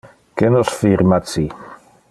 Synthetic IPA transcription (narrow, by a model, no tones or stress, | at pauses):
kenɔsfiɾmat͡si